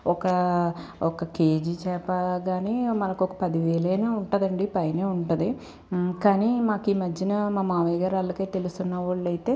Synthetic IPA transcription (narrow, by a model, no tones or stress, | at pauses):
ɔkɐ | ɔkɐkeːd͡ʒit͡ʃɛːpaɡaːnimɐnɐkɔkɐ̥pɐd̪iʋɛːɭɐjnaːuɳʈɐd̪ɐɳɖipɐjɐneːuɳʈund̪i | kaːnimaːkiːmɐd͡ʒːinɐmaːmaːʋɐjɡaːɾɐlːɐkeːt̪e̞lust̪unːɐʋɐɭːɐjt̪e̞ː